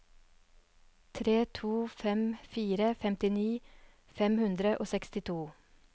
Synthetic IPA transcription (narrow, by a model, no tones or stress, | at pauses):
t̪ʰɾeːt̪ʰuːfɛmfiːɾəfɛmt̪ɪniː | fɛmhʉnd̪ɾəʔoːsɛkst̪ɪt̪ʰuː